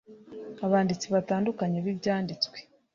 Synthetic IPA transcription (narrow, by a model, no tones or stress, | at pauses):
aβaːndit͡siβataːndukaɲeβibɟaːndit͡swe